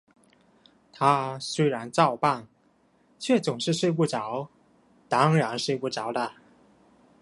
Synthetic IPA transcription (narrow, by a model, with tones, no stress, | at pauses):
t̪ʰa˥swe˥ɪɻa˧˥nʈ͡ʂɑ˥˧ʊpa˥˩ŋ | t͡ɕʰɥɛ˥˩t͡sʊ˨˩ŋʂɻ̩˥˧ʂwe˥˧ɪp̬u˥˩ʈ͡ʂɑ˧˥ʊ | t̪ɑ˥ŋɻa˧˥nʂwe˥˧ɪpu˥˩ʈ͡ʂɑ˨˥˦ʊd̪ə˧˨